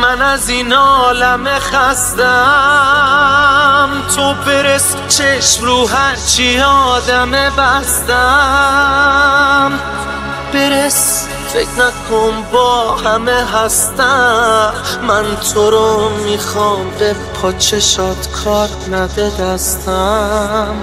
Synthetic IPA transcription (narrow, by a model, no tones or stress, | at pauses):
mænæzinɔlæmeχæst̪æ | mt̪ʰobe̞ɾes | t͡ʃʰeʃmɾuːɦæɾt͡ʃʰiɒd̪æmebæst̪æ | m | b̥eɾes | feknækʰombɔːhæmeɦæst̪æ | mænt̪ʰoɾomixɒmbepʰɒːt͡ʃʰeʃɒːd̪̥kʰɒːɾ | næd̪ed̪æst̪æ | m